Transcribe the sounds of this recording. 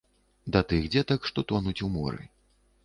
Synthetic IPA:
d̪at̪ɨɣd͡zʲɛt̪akʂt̪ɔt̪ɔnut͡sʲumɔ̰ɾɨ̰

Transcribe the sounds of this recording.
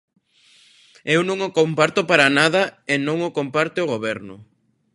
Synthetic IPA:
ewnõŋokompaɾt̪ʊpaɾanaðɐenõŋʊkompaɾt̪eoɣoβɛɾnʊ

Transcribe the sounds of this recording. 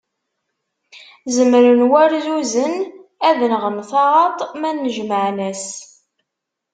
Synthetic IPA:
zəmɾənwæɾzuzənæðnəʁəmθɑʁɑt̪ˤmænːəʒməʕnæs

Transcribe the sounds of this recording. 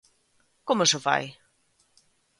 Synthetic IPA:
kɔməsəfa̰j

